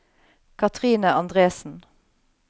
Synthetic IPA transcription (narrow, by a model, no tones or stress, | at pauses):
kʰɑt̪ʰʁiːnəʔɑnd̪ʁeːsn̩